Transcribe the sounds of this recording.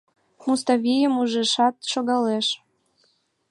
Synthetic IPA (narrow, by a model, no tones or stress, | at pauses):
must̪ɑβʲijəmuʒeʃɑt̪̚ʃoɣɑleʃ